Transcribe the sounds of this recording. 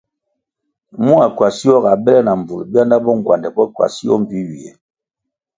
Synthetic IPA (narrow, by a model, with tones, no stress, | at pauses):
mu˦a˨kwa˨si˦jɔ˦ɡa˨bɛ˦lɛ˦na˨m˨bu˨lbja˦nda˦bɔ˦ŋ˨ɡwa˨ndɛ˨pɔ˦ka̰˨si˦ɔ˦m̩˨pi˦ɥi˨ɛ̰˨